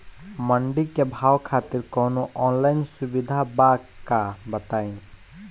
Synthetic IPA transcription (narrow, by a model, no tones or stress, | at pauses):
məɳɖikːebʱaːwkʰaːt̪ɪɾkɔːnoʔɔːnlaːɪnsʊbɪd̪ʱabakabɐt̪aːĩ